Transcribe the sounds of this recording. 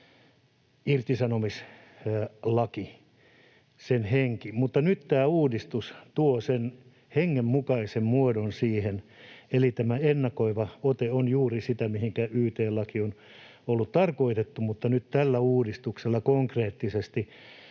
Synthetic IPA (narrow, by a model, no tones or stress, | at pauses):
irt̪isɑnomis | lɑki | senheŋkimut̪ːɑnyt̪t̪æːuːdist̪ust̪uosen | heŋːemmukɑisemmuodonsiːhenelit̪æmæenːɑkoiʋɑot̪eonjuːrisit̪æmihiŋkæyːt̪eːlɑkion | olːut̪t̪ɑrkoit̪et̪ːumut̪ːɑnyt̪t̪ælːæuːdist̪ukselːɑkoŋkreːt̪ːisest̪i